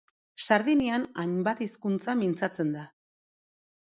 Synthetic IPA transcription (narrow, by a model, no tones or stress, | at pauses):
saɾðinianajmbat̪iskunt͡samint͡sat͡se̞nd̪a